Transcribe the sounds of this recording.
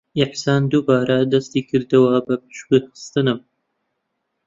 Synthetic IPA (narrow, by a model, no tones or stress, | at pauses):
ɪħsaːnd̪ubaːɾɐd̪ɐst̪iːkʰɨɾd̪ɨwɐbɐpɨ̥ʃkɨxɨ̥st̪ɨnɨm